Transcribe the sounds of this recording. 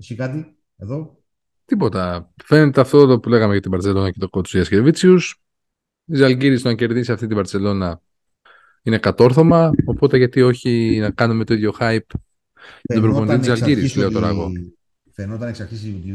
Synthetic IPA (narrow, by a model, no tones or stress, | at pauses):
sikɐt̪i | eðo | t̪ipo̞t̪ɐfe̞ne̞t̪eɐft̪ot̪opule̞ɣɐmeʝɐt̪ibɐɾt͡se̞lo̞nɐkce̞t̪okot̪siɐscevit͡sius | izɐlɟiɾist̪onɐce̞ɾðisiɐft̪it̪ibɐɾt͡se̞lo̞nɐ | ine̞kɐt̪o̞ɾθo̞mɐo̞po̞t̪e̞ʝɐt̪io̞çinɐkɐnume̞t̪o̞iðʝo̞xɐjp | nopɾofond̪it̪izɐlɟiɾisleo̞t̪o̞ɾɐ̰ɣo̞̰ | fenot̪ɐneksɐɾçisui